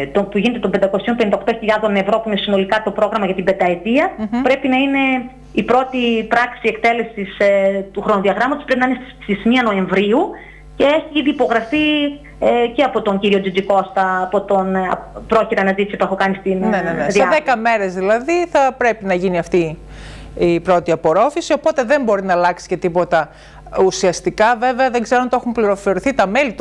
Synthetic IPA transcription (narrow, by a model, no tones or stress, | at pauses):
t̪opuʝine̞t̪eo̞mbend̪ɐoko̞sio̞mpend̪okt̪o̞çiʎɐðo̞nevɾopuinesino̞likɐt̪o̞pɾo̞ɣɾɐmɐʝɐt̪ibe̞td̪ɐet̪iɐpɾe̞pinɐine̞ | ipɾo̞t̪ipɾɐksiekt̪e̞le̞sist̪uxɾono̞ðiɐɣɾɐmɐt̪ospɾe̞pinɐinesst̪izmiɐno̞e̞ɱvɾiu | ce̞eçiiðiːpo̞ɣɾɐfi | ceɐpo̞t̪oɲɟiɾio̞d͡ʒid͡ʒiko̞st̪ɐːpot̪onɐ̰pɾoçit̪eɐnɐzit̪isip̪oe̞xokɐnist̪innenenesðieðekɐme̞ɾe̞zðilɐðiθɐpɾe̞pinɐʝiniɐft̪i | ipɾo̞t̪iɐpo̞ɾo̞fisio̞po̞t̪e̞ðe̞mbo̞ɾinɐlɐksi̥ce̞t̪ipo̞t̪ɐ | usiɐst̪ikɐve̞ve̞ɐðe̞ŋɡzeɾont̪oexumpliɾo̞fo̞ɾiθit̪ɐmelit̪